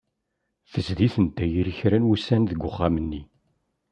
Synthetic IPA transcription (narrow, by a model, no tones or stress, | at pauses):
θəzðiθənt̪ːæjiɾəçɾænwusːænðəɡʷːʊχːamənːi